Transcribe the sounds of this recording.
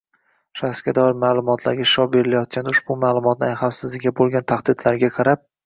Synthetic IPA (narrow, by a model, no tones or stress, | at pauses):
ʃaχsɡʲad̪ɒɪɾmaːlˠʊmɒt̪ʰla̰ɾɡʲaʃɒbe̞ɾɪlajɒt̪̚kʲanʊʃbʊmaːlˠʊmɒt̪nɪajχafsɪzlɪɡʲabolˠɡʲant̪ʰaχd̪ɪd̪laɾɡʲaqʰɑɾap̚